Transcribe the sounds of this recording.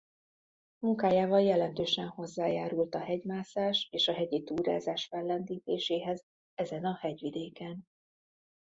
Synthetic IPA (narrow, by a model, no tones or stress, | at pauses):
muŋkaːjaːvɒljɛlɛnt̪øːʃɛnho̞zːaːjaːɾult̪ɒhɛɟmaːsaːʃeːʃɒɦɛɟit̪uːɾa̰ːzaːʃfɛlːɛnd̪iːt̪eːʃeːɦɛz | ɛzɛnɒhɛɟʋid̪eːkɛn